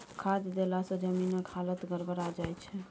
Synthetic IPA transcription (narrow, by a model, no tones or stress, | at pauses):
kʰad͡ʒ̪d̪elasə̃d͡ʒəminəkhalət̪ɡəɾbəɾad͡ʒajt͡ʃʰɛ